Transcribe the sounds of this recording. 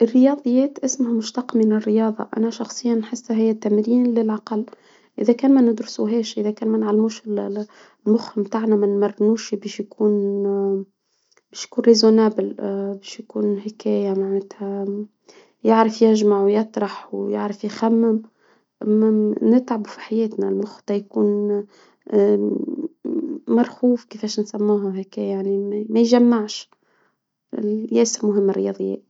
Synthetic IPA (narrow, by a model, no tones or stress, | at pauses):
ʔɪrːɪjɑːd̪ˤɨjːɛːt̪ʔɪsmʊhamʊʃt̪ɑqmɪnɪrːɪjɑːd̪ˤɑ̰ʔa̰næʃɑxsˤɨjːɑnːħɪsːɦɪjːæt̪ːamɾiːnlɪlʕɑqɑlː | ʔɪðækæːnmænɪd̪ɾʊsuɦɛːʃʔɪðækɛːnmænʕalːmuːʃɪl | mʊxɪmt̪aːʕnamɪnmɑrˤːnuːʃibɛːʃjkuːn | bɛːʃjakuːnɾezonæːbɪlbɛːʃjkuːnhɪkɛːjamaʕnɪt̪hæ | jɪʕɾəfjɪʒmaʕwjɑt̪ˤɾˤɑħwjɪ̰ʕɾəfjxæmːɪm | ʔamænɪt̪ʕabufi̥ħajɛːt̪nælmʊxt̪ˤɑjkuːn | mɑɾˤxuːfkifeːʃnsæmːuːɦaɦekæjjaʕnimmæjʒamːaʕʃ | jæːsɪmʊɦɪmːɪrːɪjɑ̰d̪ˤɨjːɛ̰ːʔ